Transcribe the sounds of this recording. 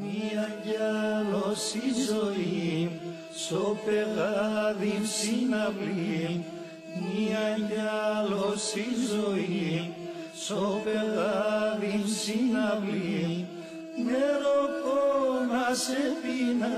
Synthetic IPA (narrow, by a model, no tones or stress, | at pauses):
miajalosizoie | sopeɣaðisinaβlie | miajalosizoie | sopeɣaðisinaβlie | meɾokonasetina